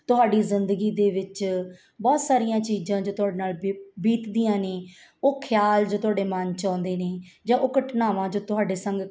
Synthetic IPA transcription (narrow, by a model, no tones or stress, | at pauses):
t̪ʊɦaːɖiːzɪnd̪əɡiːd̪eːʋɪt͡ʃ | bɔːt̪saːɾijãːt͡ʃiːzãːd͡ʒoːt̪ʊɦaːɖeːnaːlbiːt̪d̪iːjãːneː | oːkʰɪjaːld͡ʒoːt̪ʊɦaːɖeːmənt͡ʃãːnd̪eːneː | d͡ʒãːʔoːkəʈʰnaːʋãːd͡ʒoːt̪ʊɦaːɖeːsə̃ŋɡ